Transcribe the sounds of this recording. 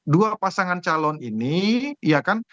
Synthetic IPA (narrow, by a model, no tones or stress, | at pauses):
duapasaŋant͡ʃalɔniniijakan